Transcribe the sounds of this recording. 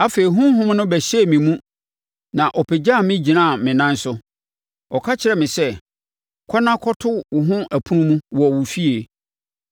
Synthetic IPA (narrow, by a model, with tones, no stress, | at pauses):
a˦fe˨ɾi˨ɦʊ̃˦ɦʊ̃˦mnʊ̃˦bɛ˨ɕɛ˦˨mĩ˨mũ˦ | nã˨ʔɔ˨pʰɛ˨d͡ʑa˦˨mɪ̃˦d͡ʑi˨nã˦˨mɪ̃˨nã˦n˦sʊ˦ | ɔ˨kʰa˦t͡ɕʰɪ˨ɾɛ˨mɪ̃˨sɛ˦ | kʰɔ˦nã˦kʰɔ˦tʰʊ˦wʊ˨ɦʊ̃˦ʔæ˨pʰũ˦mũ˦wɔ˨wʊ˨fi˦e˨